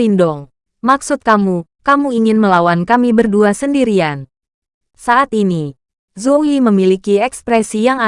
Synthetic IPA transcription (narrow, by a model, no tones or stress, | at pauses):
indɔŋ | maksut̪̚kamukamuiŋɪnməlawankamibərduasəndiɾian | saat̪ini | zowiməmilikiɛkspɾɛsijaŋa